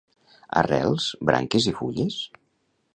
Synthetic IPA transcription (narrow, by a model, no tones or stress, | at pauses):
a̰rɛlˠz̥bɾʔa̰ŋkezifuʎes